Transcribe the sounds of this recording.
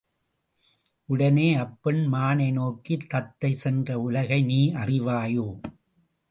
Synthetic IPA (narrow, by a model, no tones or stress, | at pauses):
ʔʊɽɐneːɐpːɪɳmaːnɐɪnoːkːit̪ːɐt̪ːɐɪsɛndrɐʊlɐɣɐɪniːɐrɪʋaːjoː